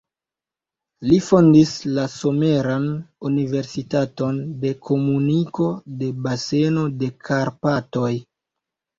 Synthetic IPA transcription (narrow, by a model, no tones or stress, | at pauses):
lifondislaso̞me̞ɾanunive̞ɾsitato̞nde̞kʰo̞muniko̞de̞base̞no̞de̞kʰaɾpato̞j